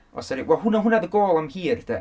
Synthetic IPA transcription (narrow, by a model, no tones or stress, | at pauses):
ɔ̰saɾiwɛlˠɦunaɦʊnaðəɡoːlˠamhiːrd̥̪ɛ